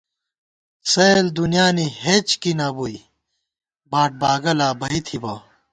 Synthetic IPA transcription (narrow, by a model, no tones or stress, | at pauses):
sɐld̪unjaːnihet͡ɕkinɐbui | baːʈ̚baːɡɐlaːbɐit̪ʰibɐ